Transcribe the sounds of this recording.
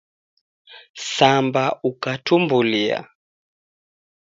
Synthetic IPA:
sambaʔukatumbulia̰

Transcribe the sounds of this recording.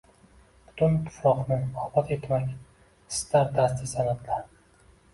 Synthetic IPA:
b̥ʊ̥t̪ʰʊnt̪ʰːɪ̥fɒqnɪɒbɒt̪ʰe̞t̪makʲ | st̪ʰaɾd̪ast̪ʰɪsanad̪laɾ

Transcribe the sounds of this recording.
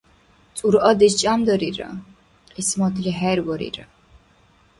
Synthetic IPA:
t̪t͡s̪ʼuɾɔd̪ist͡ʃʼamd̪ɔɾiɾa̰ | qʼismɔt̪ʰliɦɛɾvɔɾḭɾa

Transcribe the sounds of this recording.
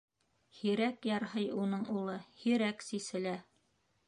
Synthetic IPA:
hiɾækjɑɾɦɤjunɤɴulˠɤhiɾæksisɘ̆læ

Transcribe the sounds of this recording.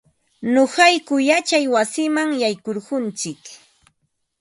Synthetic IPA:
nohɑjkʊjat͡ʃajwasɪmaŋjajkoɾɢʊnt͡sɪk

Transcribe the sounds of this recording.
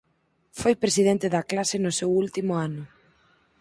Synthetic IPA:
fojpɾesiðent̪eðɐklasɪnʊsewult̪imʊanʊ

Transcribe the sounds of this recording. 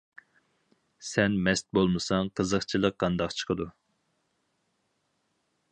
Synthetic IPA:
sɛnmɛst̪̚bolˠmɨsɑŋqʰəzəχt͡ʃʰilˠəqːɑnd̪ɑqt͡ʃʰə̥qʰəd̪u

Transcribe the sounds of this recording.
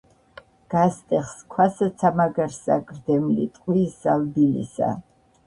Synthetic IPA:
ɡ̥ast̪ʼɛχskʰwasat̪sʰamaɡaɾsaɡʼɾd̪ɛmlḭt̪ʼqʼwisz̥albilḭsa̰

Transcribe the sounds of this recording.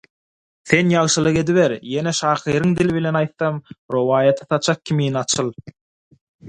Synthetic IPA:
θe̞njɑʁʃɯlˠɯʁe̞d̪iβeɾje̞neʃɑːχiːɾɯŋd̪iliβile̞nɑjt̪θɑmɾowɑːjɑt̪ʰɯ̥θɑt͡ʃʰɑq̚kʲʰimiːnɑt͡ʃʰɯlˠ

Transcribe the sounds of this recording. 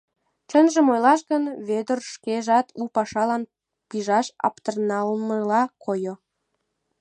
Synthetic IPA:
t͡ʃənʒə̆mojlɑʃɡənβød̪ərʃkeʒɑt̪ʰupɑʃɑlɑn | piʒɑʃɑ̰pt̪ərnɑlməlɑkʰojo

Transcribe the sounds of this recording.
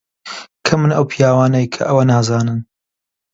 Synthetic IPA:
kʰɐmːɨnɐwpʰijaːwaːnɐjkʰɐ̰ʔɐwɐnaːzaːnɨn

